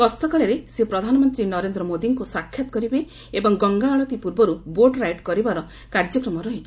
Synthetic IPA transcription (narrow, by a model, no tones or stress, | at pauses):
kɔst̪ɔkaɭeɾesepɾɔd̪ʱanɔmɔnt̪ɾinɔɾend̪ɾɔmod̪iŋkusakʰːjɔt̪ɔ̥kɔɾibe | ebɔŋɡɔŋɡaːɭɔt̪ipuɾbɔɾuboʈɾajʈkɔɾibaɾɔ | kaɾd͡ʒɔkɾɔmɔɾɔɦit͡ʃʰi̥